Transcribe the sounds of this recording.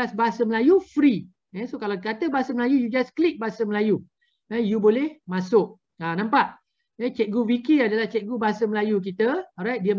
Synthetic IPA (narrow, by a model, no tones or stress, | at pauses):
asbaɦasəməlajufɾi | ɛsokalakat̪əbaasəməlajujud͡ʒasklip̚baasəməlaju | ajubolɛhmasʊk̚ | anãmpaʔ | ɛt͡ʃɛk̚ɡuwikiadalaht͡ʃɛk̚ɡubaasəməlajuk̬it̪əɔɾajt̚diə